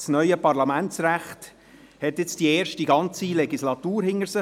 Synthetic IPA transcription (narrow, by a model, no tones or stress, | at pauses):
snœʏəpɑɾlɑmænt͡sræχt | hɛtjɛt͡sd̥iɛːɾʃtiɡɑnt͡silɛɡislɑt̪uːɾhɪŋəɾsə